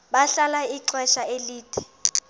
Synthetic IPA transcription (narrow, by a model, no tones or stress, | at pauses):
ɓaɬalaiǀwɛʃaeliːtʰɛ̥